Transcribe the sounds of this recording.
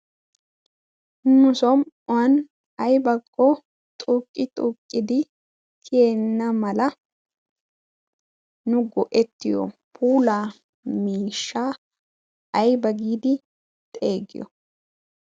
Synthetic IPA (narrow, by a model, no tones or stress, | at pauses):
nʊsɔm | ʊwɐn | ɐjbɐkʰʼːɔ | t̪ʼuːkʼːɪt̪ʼuːkʼːɪd̪ɪ | kʰjenːɐmɐlɐ | nʊɡɔʔɛt̪ːɪjɔ̰pʰuːlaː | miːʃːaː | ɐjbɐɡiːd̪ɪ | t̪ʼe̞ːɡɪ̰jɔ̰